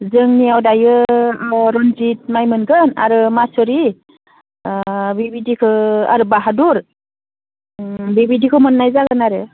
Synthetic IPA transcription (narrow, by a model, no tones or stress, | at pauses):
zɯŋnijawdajɯ | ɾɔnzit̚majmɯnɡɯna̰ɾɯmasɔɾi | bibidikʰɯa̰ɾɯbaɦaduɾ | bibidikʰɯmɯnːajzaɡɯnaɾɯ